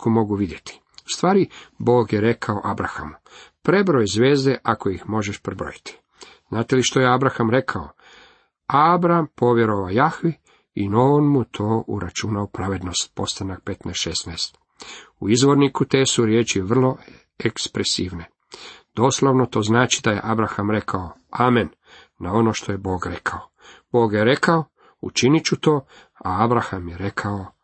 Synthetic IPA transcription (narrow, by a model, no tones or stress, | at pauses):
komo̞ɡuʋid̪je̞t̪ʰi̥ | ust̪ʋaːɾibo̞ːɡjeɾe̞kʰaoʔabɾa̰xa̰mupɾe̞bɾojzʋe̞ːzd̪eʔakoixmo̞ʒeʃpɾebɾo̞̰jit̪i̥ | znaːt̪eliʃt̪o̞jeabɾaxamɾe̞kʰao | abɾampo̞ʋje̞ɾoʋajaxʋi | inaonmut̪ʰo̞ːʔṵɾat͡ʃunaopɾaʋe̞d̪no̞st̪̚po̞st̪anak̚pe̞t̪nɛsʃesnaest̪ | uizʋo̞ɾnikut̪e̞ːsuɾjeːt͡ʃiʋr̩lˠo̞ | ekspɾesiːʋne̞ | d̪̥o̞slˠoʋnot̪o̞ːznaːt͡ʃid̪aje̞̰ʔabɾaxamɾe̞kʰaoaːmenː | ao̞no̞ːʃt̪o̞jebo̞ːɡɾe̞kʰao | b̥o̞ːɡjeɾe̞kao | ṵt͡ʃinit͡ɕut̪o̞ː | aabɾaxamjeɾe̞kʰao